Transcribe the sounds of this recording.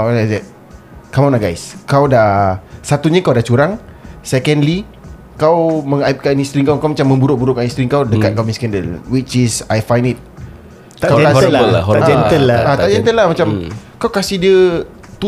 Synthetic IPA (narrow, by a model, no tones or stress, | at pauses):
alazɛt̚ | kamɔ̃naɡajskawdasat̪uɲəkawdat͡ʃuɾaŋ | sɛkɛ̃ndli | kawmə̃ŋaip̚kanist̪ɾiŋkawkawmat͡ʃamːə̃mbuɾoʔ̚buɾʊkanist̪ɾiŋkawdəkat̪̚kamĩskɛ̃ndəlwit͡ʃisajfajndit̪̚ | kaaaɛt̪əlaat̪aʔd͡ʒɛnt̪əlamat͡ʃamkawkasihdiə | t̪u